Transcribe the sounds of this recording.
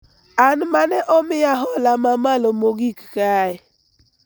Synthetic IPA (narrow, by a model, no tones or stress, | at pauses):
anmanɛʔɔmɪjaɦɔlamamalomoɡikkaɪ